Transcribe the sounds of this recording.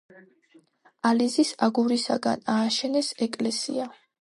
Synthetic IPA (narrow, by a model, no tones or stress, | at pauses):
alizisaɡuɾisa̰ɡa̰naːʃɛnɛsɛkʼlɛsḭa